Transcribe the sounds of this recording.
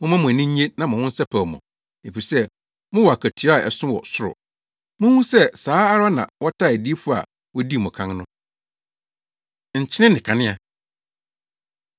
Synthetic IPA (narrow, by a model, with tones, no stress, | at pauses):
mʊ̃˦mã˦mʊ̃˨æ˨nĩ˦e˦nã˨mʊ̃˨wʊ̃˦n̩˦sɛ˦pʰɛ˨ɔ˨mɔ̰̃˨ | e˨fi˨i˨sɛ˦ | mʊ̃˦wɔ˨a˨kʰæ˨tʰi˨ɔ˦a˨ɛ˨sʊ̃˦wɔ̰˨sʊ˦ɾʊ̰˨ | mʊ̃˦hũ˦sɛ˦saː˨˦a˦ɾa˦nã̰˨wɔ˦tʰa˦˨æ˨di˦fu˦a̰˨ | wɔ˦di˦˨mʊ̃˨kʰã˦ŋ˦nʊ̃˦ | ɲ̩˨t͡ɕʰɪ˦nɪ̃˦nɪ̃˨kʰã˨nɪ̃˦a˨